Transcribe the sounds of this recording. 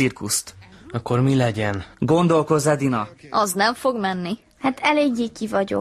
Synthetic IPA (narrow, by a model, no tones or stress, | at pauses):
irkust̪ɒkːo̞rmilɛɟɛnɡo̞nd̪o̞lko̞zɛd̪inɒɒznɛɱfo̞ɡmɛnːi | hat̪ʰɛleːɡːiːkivɒɟo̞̰